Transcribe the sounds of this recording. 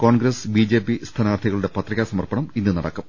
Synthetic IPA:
ko̞ːɳɡɾɐsbiːd͡ʑe̞ːpːist̪ʰɐnaːrt̪ʰiɣɐɭuɽe̞pɐt̪ːrikʲːɐsɐmɐrpɐɳɐminːɨnɐɽɐkːum

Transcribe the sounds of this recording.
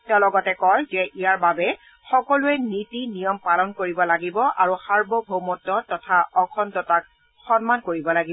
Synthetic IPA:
tɛɔlɔɡɔtɛkɔjzɛʔijaɹbabɛ | xɔkɔluɛnitinijɔmpalɔnkoɹibɔlaɡibɔʔaɹuxaɹbɔbʱowmɔtːɔtɔtʰaɔkʰɔntɔtak̚ | xɔnmankoɹibɔlaɡi

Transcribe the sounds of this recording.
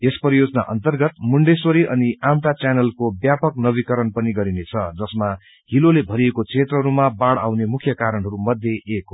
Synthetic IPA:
espʌɾijod͡zʌna̰ʔʌ̰nt̪ʌrɡʌt̪muɳɖeswoɾiʔʌniʔamt̪at͡sanʌlkobjapʌknʌbikʌɾʌnpʌniɡʌɾinet͡sʰʌd͡zʌsma | ɦilolebʱʌɾiekot͡sʰet̪rʌɦʌɾumabaɽa̰wnemukʰjʌkaɾʌnɦʌɾumʌd̪ʱjeːkɦ

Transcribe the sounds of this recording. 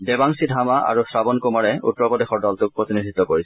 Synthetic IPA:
debaŋsidʱamaʔa̰ɹusɹabɔnkumaɹɛṵtːɹɔpɔdexɔɹdɔltʊk̚pɹot̪inidʱit̪ːɔkoɹis

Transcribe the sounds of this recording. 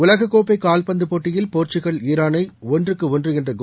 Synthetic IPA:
ʊlɐɣɐkːoːpːɐɪkːaːlpɐnd̪ɯpoːʈːɪjɪlpoːɾt͡ʃɪɣɐɭiːɾaːnɐɪɔndrɯkːɯɔndrɯɛndrɐɡ

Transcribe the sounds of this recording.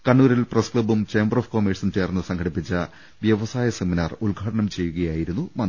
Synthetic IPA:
kɐɳːuːɾilprɐskɭɐbumt͡ɕeːmbɐroːfkoːmiːʈsɐnt͡ɕe̞ːrnːɨsɐŋkʰɐɽipːit͡ɕːɐ | ʋjɐʋɐsaːjɐseminaːrulɡʱaːɽɐɳɐmt͡ɕe̞jːuɣɐjaːjiɾunːumɐn

